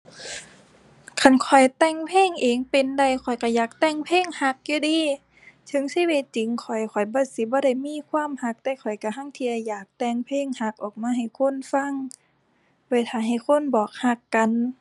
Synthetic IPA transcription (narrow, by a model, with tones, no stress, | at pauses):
kʰa˧˩˨nkʰɔ˨˩jt̪ɛ˧˩ŋpʰeː˧˥˨ŋʔeː˨ŋpe˧˨nda˧˩jkʰɔ˨˩jka˧˩jaː˨˩k̚t̪ɛ˧˩˨ŋpʰeː˧˥˨ŋha˧˥k̚juː˧diː˧˨ | t̪ʰɯ˧˦ŋsi˧˥˦we˧˩t̪̚t͡ɕi˨˦ŋkʰɔ˨˩jkʰɔ˨˩jbɔː˧˥si˧˦bɔː˧˦ɾa˧˩jmiː˧˥˨kʰwaː˧˥˨mha˧˥k̚t̪ɛː˧˩kʰɔ˨˩jka˧˩ɦa˧˥˨ŋt̪ʰi˧a˧˩jaː˨˩k̚t̪ɛ˧˩ŋpʰeː˧˥˨ŋha˧k̚ʔɔː˨˩k̚maː˧˥ɦa˧˨˩jkʰo˧˥˨nfa˧˥˨ŋ | woː˧˩jt̪ʰaː˧˩ɦa˨˩jkʰo˧˥˨nbɔː˨˩k̚ha˧kːa˧˨n